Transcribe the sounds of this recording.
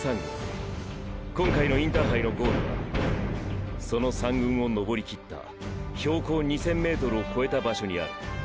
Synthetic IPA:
sãŋɡɯ̰̃ŋ | kõ̞ŋkainoĩnt̪aɦaino̞ɡo̞ːɾoɡa̰ | so̞no̞sãŋɡɯ̟̃ɰ̃o̞no̞bo̞ɾʲikʲit̪ːa̰ | ço̞ːko̞ːɲ̟isẽ̞mːe̞ːt̪o̞ɾɯ̟o̞ko̞e̞t̪abaɕo̞ɲ̟ia̰ɾɯ̟

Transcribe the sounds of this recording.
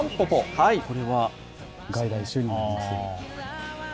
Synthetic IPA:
mpopohaiko̞ɾe̞βa | ɡaid̪aiɕːoɲiaa

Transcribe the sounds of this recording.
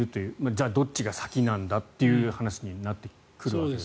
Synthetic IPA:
ɯ̟t̪o̞jɯ̟ːmad͡ʑaːd̪o̞tt͡ɕɕiɡasḁkʲinãnd̪at̪ːe̞jɯ̟hanaɕiɲ̟inat̪ːe̞ | kɯ̟ɾɯ̟βae

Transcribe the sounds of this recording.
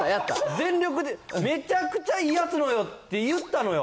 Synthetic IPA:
ajat̪ːa̰zẽ̞nɾʲo̞k̬ɯ̟d̪eme̞t͡ɕakɯ̟̥t͡ɕaijat͡sɨno̞jo̞t̪ːe̞jɯ̟t̪ːano̞jo

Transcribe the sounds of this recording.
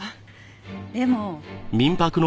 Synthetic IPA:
d̪emomʲĩmpakɯ̟no

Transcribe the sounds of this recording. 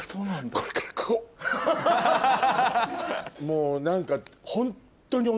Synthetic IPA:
soːnand̪oɾekakʰːo | moːnãŋkahõ̞nt̪ːoɲ̟io

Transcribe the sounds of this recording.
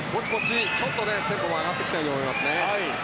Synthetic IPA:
mo̞t͡ɕimo̞t͡ɕit͡ɕot̪ːo̞ne̞zeŋkoβaaɡat̪ːe̞kʲi̥t̪aĩt̪omo̞imasɨne̞hai

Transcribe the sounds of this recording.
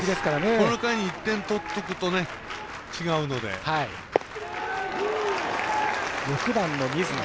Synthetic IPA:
id̪e̞sɨ̥kaɾanekonokaiɲ̟iːt̪ːẽ̞nt̪o̞t̪ːokɯ̟t̪o̞ne̞ | t͡ɕiɡaɯ̟no̞d̪e̞̰hai | jokɯ̟d̪ãnːo̞ɲʲizɨ

